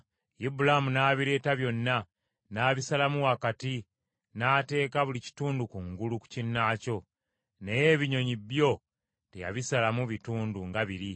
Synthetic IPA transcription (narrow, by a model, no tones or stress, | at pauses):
ibulamunaːβiɾe̞ːtaβjo̞nːa | naːβisalamuwakati | naːte̞ːkaβulici̥tuːndukuŋɡuluku̥cinːaːco̞ | ne̞je̞βiɲo̞ɲiβjo̞ | teja̰βisalamuβituːnduŋɡaβiɾi